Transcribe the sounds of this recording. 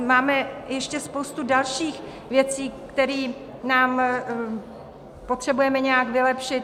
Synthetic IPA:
maːmɛjɛʃcɛspowst̪udalʃiːx | vjɛt͡siːkt̪ɛɾiː | naːm | po̞t̪r̝̥ɛbujɛmɛɲɛjakvɪlɛpʃɪt̪

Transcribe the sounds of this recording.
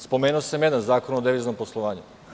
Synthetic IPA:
spo̞meːnuosamjed̪anzaːko̞nod̪eʋiːznomposlˠo̞ʋaːɲu

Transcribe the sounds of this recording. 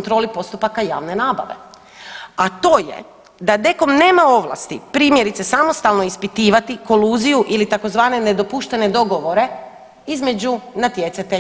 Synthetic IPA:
nt̪ɾo̞ːlipo̞st̪upakaja̰ːʋne̞naːba̰ʋe̞̰ | at̪o̞ːjḛ | d̪ad̪e̞ko̞mneːmao̞ʋlˠa̰st̪ḭpɾiːmjeɾit̪sesamo̞st̪alˠno̞ispit̪iːʋat̪iko̞luːzijuʔilit̪ako̞zʋaːne̞ne̞d̪o̞puʃt̪e̞ne̞d̪o̞ɡo̞ʋo̞ɾe̞ | izme̞d͡ʑunat̪jet̪sat̪e

